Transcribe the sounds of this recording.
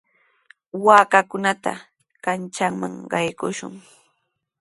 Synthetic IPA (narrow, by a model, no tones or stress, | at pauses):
waːkakʊnat̪a̰ | kant͡ʃaŋmaŋɢɑjkʊʃʊ̰ŋ